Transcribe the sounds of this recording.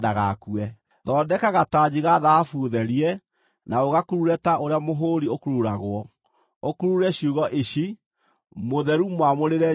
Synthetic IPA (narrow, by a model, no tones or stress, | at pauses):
daɣa̰kuɛ | ðɔːdɛkaɣatad͡ʑiɣaðaafuðɛɾiɛ | naoɣakuɾuɾɛtaoɾeamoɦoɾiokuɾuɾaɣwɔ | okuɾuɾɛɕiuɣɔʔeʃi | moðɛɾumwamoɾeɾɛ